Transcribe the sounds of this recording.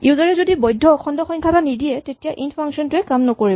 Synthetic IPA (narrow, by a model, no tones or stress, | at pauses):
ʔiuzaɹɛzodibɔjdʱːɔɔxʰɔndɔxɔŋkʰatanidiɛtetijaʔinpʰaŋsiɔntʊɛkamnɔkoɹibɔ